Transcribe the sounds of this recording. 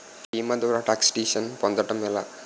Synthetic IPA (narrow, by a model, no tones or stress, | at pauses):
iːmɐd̪ɔːɾɐʈaːksʈiːʃɐnpɔnd̪ɐʈɐmɛlɐ